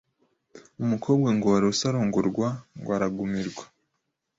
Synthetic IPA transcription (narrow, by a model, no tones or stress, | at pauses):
umukʰo̞ːbɡaŋɡoaɾosaɾoːŋɡoɾɡwaŋɡwaɾaɡumiɾɡwḁ